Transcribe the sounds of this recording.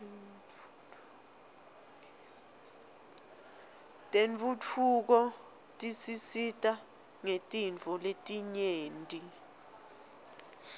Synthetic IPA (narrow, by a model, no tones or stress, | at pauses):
tʼeɱt͡fut͡fʰuk̬ɔ | tʼisisitʼa | ŋetʼiɱt͡fɔletʼiɲeːntʼi